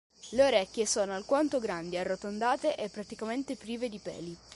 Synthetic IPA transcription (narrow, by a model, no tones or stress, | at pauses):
leoɾɛkʲːjesoːnoalkwant̪oɡɾand̪iarːot̪ond̪aːt̪eʔepːɾat̪ikament̪epɾiːved̪ipɛ̰ːli